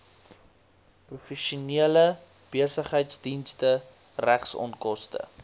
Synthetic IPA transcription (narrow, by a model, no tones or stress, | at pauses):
prufɛʃuniələ | b̥iəsəχɦəjtsdinstə | ræχsɔ̰ntkɔstə̰